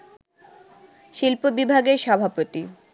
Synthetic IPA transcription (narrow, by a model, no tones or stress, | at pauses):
ʃilpobibʱaɡeɾʃɔbʱapot̪i